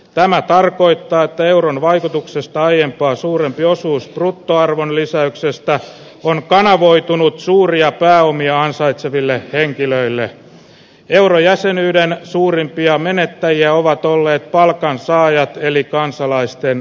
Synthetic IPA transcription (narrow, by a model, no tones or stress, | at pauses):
t̪æmæt̪ɑrko̞it̪ːɑːet̪ːæe̞uronʋɑikut̪uksest̪ɑɑjempɑːsuːɾempio̞suːsprut̪ːoɑrʋonlisæyksest̪æ | onkɑnɑʋoit̪unut̪suːriɑpæːomiɑɑnsɑit̪seʋilːeheŋkiløilːe | e̞uɾojæsenyːdensuːrimpiɑmenet̪ːæjiæoʋɑt̪olːeːt̪̚pɑlkɑnsɑːjɑt̪elikɑnsɑlɑist̪en